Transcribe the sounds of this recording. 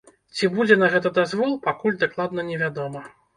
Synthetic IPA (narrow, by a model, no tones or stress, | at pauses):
t͡sʲibud͡zʲɛnɐɣɛt̪ɐd̪azvɔlˠpakulʲd̪aklˠad̪nɐnʲɛvʲad̪ɔmɐ